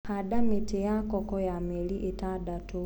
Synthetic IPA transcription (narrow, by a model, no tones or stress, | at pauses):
haɗamitɛjakɔkɔjamɛliʔitaɗatu